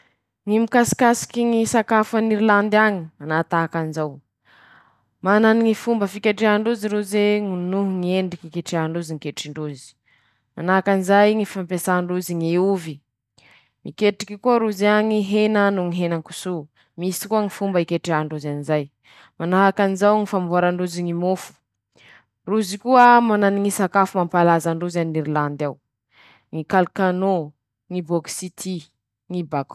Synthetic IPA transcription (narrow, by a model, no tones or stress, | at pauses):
ŋimikasi̥kasi̥kiŋisakafaniɾiland̪aŋimanat̪aakanzaw | mananiŋifumbəfikeʈ͡ʂeaɳɖ͡ʐuziɾuzeŋunuɦuŋieɳɖ͡ʐikikeʈ͡ʂeaɳɖ͡ʐuziŋikeʈ͡ʂiɳɖ͡ʐuzi̥ | manaakanizajŋifampesaɳɖ͡ʐuziŋeuvi | mikeʈ͡ʂi̥kikuaɾuzaŋiɦenanuŋiɦenaŋku̥su | misi̥kuəŋifumbəikeʈ͡ʂiaɳɖ͡ʐuzanizaj | manaɦakanizawŋifambuaɾaɳɖ͡ʐuziŋimofu̥ | ruzikuəmananiŋisakafumampalazaɳɖ͡ʐuzaniniɾiland̪aw | ŋikalkano | ŋiboksit̪ʰi | ŋibak